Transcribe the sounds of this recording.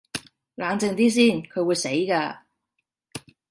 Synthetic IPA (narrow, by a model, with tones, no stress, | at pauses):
laː˨˧˥ŋt͡sɪ˧ŋt̪iː˥s̬iː˥˩nkʰɵ˨˧ɥwu˨˧jse˨˥jkaː˧